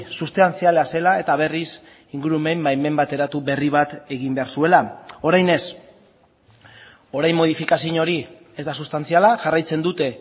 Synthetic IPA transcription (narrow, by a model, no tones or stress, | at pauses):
sust̪ant͡sialase̞lae̞t̪aβ̞e̞ris | iŋɡuɾume̞mbajme̞mbat̪e̞ɾat̪uβe̞riβ̞at̪e̞ɣimbe̞aɾsue̞lao̞ɾajne̞s | o̞ɾajmːo̞ð̞ifikas̬iɲo̞ɾi | e̞zd̪asust̪ant͡sialaʝarajt͡se̞nd̪ut̪e̞